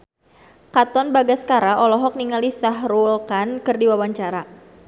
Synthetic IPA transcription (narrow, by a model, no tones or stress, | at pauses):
kat̪ɔnbaɡaskaɾaʔɔlɔɦɔk̚niŋalisaɦɾulkankɨrdiwawaɲt͡ʃaɾa